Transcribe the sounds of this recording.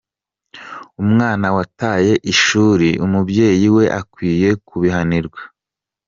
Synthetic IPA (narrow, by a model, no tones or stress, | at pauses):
umŋaːnawataːje̞ʔiʃuːɾiumubje̞ːjiwe̞ʔakwiːje̞kuβiɦaniɾɡwḁ